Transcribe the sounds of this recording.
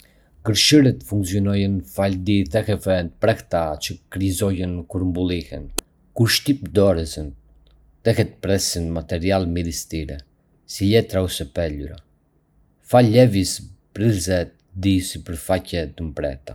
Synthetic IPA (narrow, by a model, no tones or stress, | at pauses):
ɡəɾʃiɾɛt̪fuŋksiɔnɔjɛnfald̪iθɛxɛfɛnt̪əpɾɛht̪at͡ʃəkɾizɔjənkuɾmbulˠihɛn | kuɾʃt̪ip̚d̪ɔɾɛzən | θɛxɛt̪əpɾɛsinmat̪ɛɾialmiðist̪iɾɛ̰ | silɛt̪ɾausɛpɛluɾa̰ | falːɛvispɾizɛt̪ | d̪isipəɾfacɛt̪əmpɾɛ̰t̪a